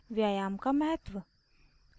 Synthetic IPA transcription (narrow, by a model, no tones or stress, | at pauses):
ʋjaːjaːmkamɐɦət̪ʋə